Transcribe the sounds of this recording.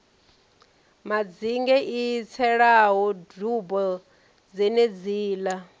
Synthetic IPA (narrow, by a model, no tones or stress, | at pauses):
mad͡ziŋɡɛʔijit͡sʰɛɺaɦɔdubɔ | d͡zɛned͡ziːla